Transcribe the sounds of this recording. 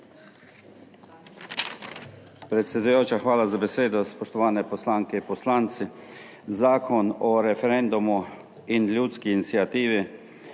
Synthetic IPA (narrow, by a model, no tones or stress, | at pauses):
pɾɛt̪sʲjɛd̪ujoːt͡ʃaxʋaːlazabeseːd̪ɔspɔʃt̪ɔʋaːnɛpɔslaːŋkɛpɔslaːnt̪si | zaːkʰɔnɔɾɛfɛɾɛnd̪umu | inlʲjuːt̪skiːnit̪siat̪iːʋi